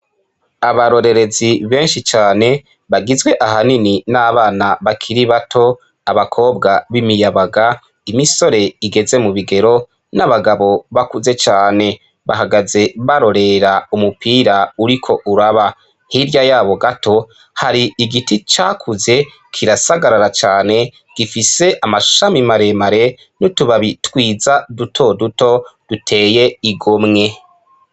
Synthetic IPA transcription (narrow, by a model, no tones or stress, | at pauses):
aβaɾo̞ɾe̞ɾe̞ziβeːnʃit͡ʃaːne̞ | βaɡizɡwe̞ʔaɦanininaβaːnaβakʰiɾiβatʰo̞ | aβakʰo̞ːbɡaβimijaβaɡa | imiso̞ɾe̞iɡe̞ze̞muβiɡe̞ɾo̞ | naβaɡaβo̞βakuze̞t͡ʃaːne̞ | βa̰haɡaze̞βaɾo̞ɾe̞ɾaumupiːɾauɾikʰo̞ʔuɾaβa | hiɾjajaːβo̞ɡatʰo̞ | haɾiːɡitit͡ʃakʰuze̞ | kʰiɾasaɡaɾaɾat͡ʃaːne̞ | ɡ̥ifise̞ʔamaʃamimaɾe̞maɾe̞ | nutuβaβitwiːzadutʰo̞duto̞d̥utʰe̞ːje̞iɡomŋe̞